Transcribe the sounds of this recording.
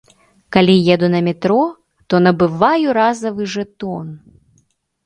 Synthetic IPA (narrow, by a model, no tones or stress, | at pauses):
kalʲijɛd̪unɐmʲɛt̪ɾɔ | t̪ɔnɐbɨvajuɾazɐvɨʐɛt̪ɔn